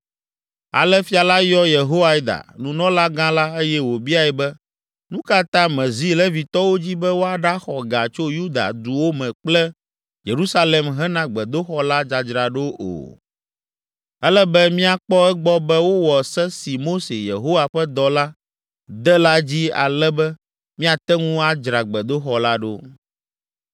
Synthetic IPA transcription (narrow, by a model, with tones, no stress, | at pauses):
a̰˨lɛ˦fi˦a˨la˦jɔ˦je˨ɦo˦wa˦i˨d̪a̰˨nũ˨nɔ̃˦la˦ɡã˦la˦e˦jɛ˦wo˨bi˦a˨ɛ˨bɛ˦ | nũ˦ka˦t̪ã˦mɛ̃˨zi˦lɛ˦vi˨t̪ɔ˦wo˦d͡ʑi˦bɛ˦wo˦a˨ɖa˦xɔ˨ɡa̰˨t͡ʃo˦ju˦d̪a̰˨d̪u˨wo˦mɛ̃˨k͡plɛ˦ | je˨ɾu˦sa˦lɛ˨mɦɛ˦nã˦ɡ͡bɛ˨d̪o˦xɔ˦la˦d͡ʒa˨d͡ʒɾa˨ɖo˦ʔo̰˨ | ɛ˦lɛ˦bɛ˦mĩ˦a˨k͡pɔ˦ɛ˦ɡ͡bɔ˦bɛ˦wo˦wɔ˨sɛ˦si˨mo˦se˨je˨ɦo˦wa˨ɸɛ˦d̪ɔ˨la˦ | d̪ɛ˦la˦d͡ʑi˦a̰˨lɛ˦bɛ˦ | mĩ˦a˨t̪ɛ˦ŋũ˦a˦d͡ʒɾa˨ɡ͡bɛ˨d̪o˦xɔ˨la˦ɖo̰˦